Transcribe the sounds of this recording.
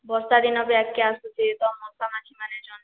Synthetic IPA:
bɔst̪ad̪inɔbiakːeast̪ut̪ʰit̪ɔmɔst̪amat͡ʃʰimaned͡ʒɔn

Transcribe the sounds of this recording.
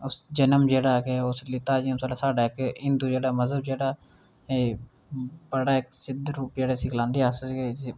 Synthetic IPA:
ʊsd͡ʒənəmd͡ʒeːɽaːkeʊslɪt̪aːd͡ʒimsalaːsaːɖaːɪkɪnd̪uːd͡ʒeːɽaːməzəb̚d͡ʒeːɽaː | eː | bəɽaːɪksɪd̪ɾuːpd͡ʒeːɽeːsɪklãːnd̪iːasəɡeː

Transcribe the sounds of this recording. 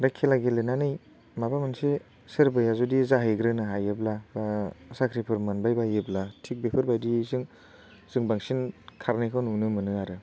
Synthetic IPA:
ɾakʰːelaɡelenanɯj | mabamanse | sɯɾbɯjazudizaɦiɡɾɯnɯɦajeblabasakʰɾipʰɯɾmɯnbajbajeblatʰik̚bepʰɯɾbajdizɯŋ | z̥ɯŋbaŋsinkʰaɾnikʰawnunɯmɯnɯaɾɯ

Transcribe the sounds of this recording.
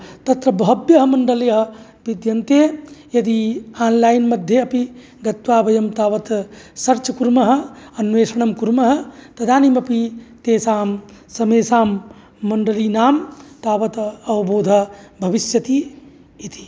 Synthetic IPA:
t̪ɐt̪ɾɐbʱɐbjɐɦɐmɐɳɖɐleɦɐ | bid̪jɐnt̪ejɐd̪iaːnlaːjnmɐd̪ʱjeɐpi | ɡɐt̪ʋaːbɐjɐmt̪aːʋɐt̪sɐɾt͡ʃɐkuɾmɐɦɐ̆ɐnʋeːsɐɳ̃ɐmkuɾmɐɦɐ̆t̪ɐd̪aːnimɐpit̪eːsaːm | sɐmeːsaːmː | ɐɳɖəlinaːmt̪aːʋɐt̪ɐʋɐboːd̪ʱɐ̆bʱɐʋisjɐt̪i | it̪i̥

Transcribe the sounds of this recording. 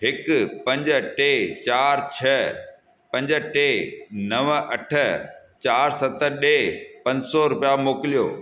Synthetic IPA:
ɦɪkpɐ̃ɲd͡ʑəʈeːt͡ɕaːɾt͡ɕʰɐ | pɐ̃ɲd͡ʑə̆ʈeːnɐʋɐʈʰə̆ | t͡ɕaːɾsɐt̪əɗeːpɐ̃ɲd͡ʑsɔɾʊpijamoːkɪlijo̰ː

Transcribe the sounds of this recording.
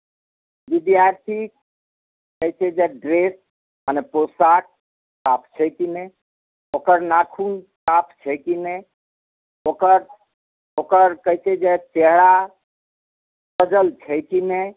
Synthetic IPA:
ʋid̪jaɾt̪ʰik | kəɦjt͡ʃʰɛd͡ʒeɖɾes | ɦəneposaʈ̚ | kap̚ʰt͡ʃʰɛkine | okəɾnakʰun | kapʰt͡ʃʰɛkine | okəɾ | okəɾkəɦit͡ʃʰɛd͡ʒet͡ʃeɦɾa | bəd͡ʒəlt͡ʃʰɛkine

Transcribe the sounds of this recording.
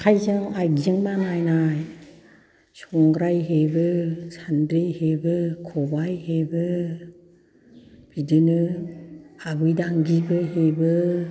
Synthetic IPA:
kʰajzaŋajzɯŋbanajnaj | sɔŋɡɾajɦebɯsandɾɯjhebɯkʰɔbajhebɯ | b̥idɯnɯ | abɯjdaŋɡibɯɦebɯ

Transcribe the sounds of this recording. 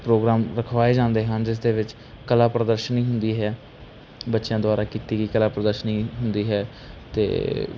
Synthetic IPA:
pɾoːɡɾaːmɾəkʰʋaːeːd͡ʒãːnd̪eːɦənd͡ʒɪs̬d̪eːʋɪt͡ʃ | kəlaːpɾəd̪əɾʃənĩːɦʊnd̪iːɦɛː | bətːʃjãːd̪ʊaːɾaːkiːt̪iːɡiːkəlaːpɾəd̪əɾʃənĩːɦʊnd̪iːɦɛː | t̪ḛː

